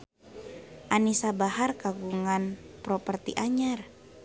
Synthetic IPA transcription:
ʔanisabaɦarkaɡuŋanpɾɔpərt̪iʔaɲar

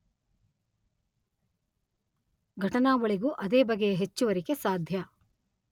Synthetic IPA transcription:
ɡʱɐʈɐnaːʋɐɭiɡuʔɐd̪eːbɐɡejeɦet͡ʃːuʋɐɾikesaːd̪ʱjɐ

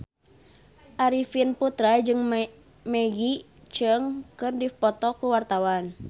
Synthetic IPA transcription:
ʔaɾifinput̪ɾad͡ʒɨŋ | mɛɡi | t͡ʃəŋkɨrdipɔt̪ɔkuwart̪awan

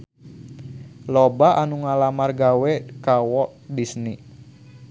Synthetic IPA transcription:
lɔbaʔanuŋalamarɡawɛkawɔʔdisni

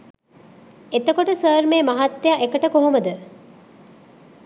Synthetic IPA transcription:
et̪əkoʈəsəːɾmeːmɐɦat̪ːejaʔekəʈəkoɦoməd̪ə

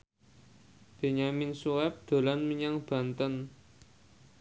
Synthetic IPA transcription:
b̥e̤ɲaminsuwɛp̚d̪̥o̤lanməɲaŋb̥a̤nt̪ən

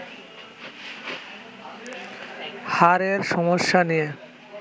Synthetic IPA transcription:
haɾeɾʃɔmoʃːanije

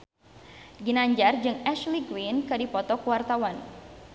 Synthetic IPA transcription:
ɡinaɲd͡ʒard͡ʒɨŋɛʃliɡwinkɨdipɔt̪ɔkwart̪awan

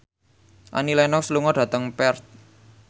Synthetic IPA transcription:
ʔa̰nilɛnɔk̚sluŋɔɖ̥ä̤t̪əŋpɛrt̪̚

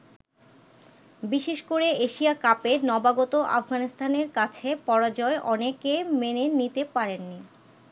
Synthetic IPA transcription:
biʃeʃkoɾeeʃiakapenɔbaɡɔt̪oʔa̰fɡanist̪aneɾkat͡ɕʰepɔɾad͡ʑɔeʔɔnekemenenit̪epaɾenːi

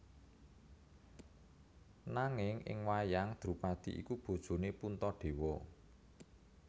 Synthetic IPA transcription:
naŋɪŋʔɪ̰ŋwajaŋd̪̥ɾṳpad̪̥ḭʔḭkub̥o̤d̥ʒ̥o̤nepunt̪ɔɖ̥e̤wɔ

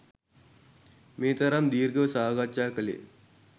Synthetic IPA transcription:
meːt̪ɐɾamd̪iːɾɡəsaːɡat͡ʃaːkəlḛː

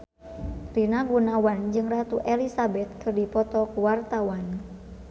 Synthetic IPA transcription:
rinaɡunawand͡ʒɨŋrat̪uʔɛlisabɛt̪̚kʰɨrdipɔt̪ɔkuwart̪awan

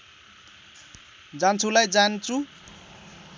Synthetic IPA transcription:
d͡zant͡sʰulajd͡zant͡sʰu

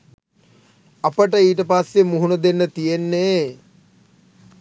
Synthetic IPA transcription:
ɐpəʈəiːʈəpasːjemuɦunɐd̪enːət̪ijenːeː

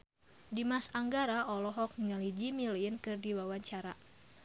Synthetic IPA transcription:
dimasaŋɡaɾaʔɔlɔɦɔk̚nŋalid͡ʒimilnkɨrdiwawaɲt͡ʃaɾa

